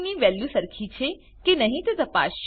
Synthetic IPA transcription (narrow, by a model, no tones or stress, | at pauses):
nĩʋɛːljusəɾkʰit͡ʃʰe | kenɐɦĩt̪ot̪ɐpa̰ːʃ